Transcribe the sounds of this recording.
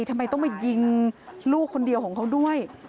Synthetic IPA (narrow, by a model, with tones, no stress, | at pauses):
t̪ʰa˧mːa˧jt̪ɔ˥˩ŋma˧˩ji˧ŋluː˥˩k̚ʰːo˧ndi˧əwkʰɔː˩˦kʰa˦˥wdu˥˩əj